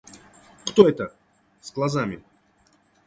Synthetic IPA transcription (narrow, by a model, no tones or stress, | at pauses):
kt̪oɛt̪ə | zɡlˠazamʲɪ